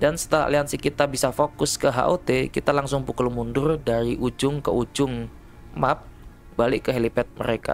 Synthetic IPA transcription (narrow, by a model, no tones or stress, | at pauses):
dansə̥t̪əla̰ʔliansikit̪abisafokʊskəɦa̰ʔot̪ekit̪alaŋsʊŋpukulmundʊrdaɾiʔud͡ʒʊŋkəʔud͡ʒʊŋ | map̚ | balɪʔkəɦelipɛt̪̚mə̰ɾeka̰